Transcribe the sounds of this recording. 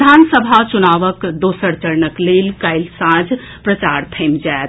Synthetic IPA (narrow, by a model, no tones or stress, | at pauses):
d̪ʱansəbʱat͡ʃunaʋəkd̪osəɾt͡ʃəɾnəklelkajlsãd͡ʒʱ | pɾət͡ʃaɾt̪ʰəɪmd͡ʒaet̪